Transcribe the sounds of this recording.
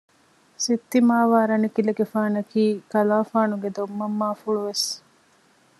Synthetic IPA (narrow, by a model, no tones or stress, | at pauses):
sit̪ːimaːʋaːɾɐnikileɡefaːnɐkiːkɐlaːfaːnuɡed̪omːɐmːaːfuɭuʋes